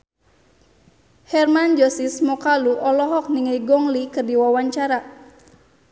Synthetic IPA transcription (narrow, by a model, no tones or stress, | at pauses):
hɛrmand͡ʒɔsismɔkaluʔɔlɔɦɔk̚niŋajɡɔŋlikɨrdiwawaɲt͡ʃaɾa